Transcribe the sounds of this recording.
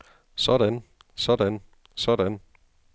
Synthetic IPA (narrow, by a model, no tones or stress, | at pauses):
sɒ̽ɾ̥æn | sɒ̽d̥æn | sɒd̥æn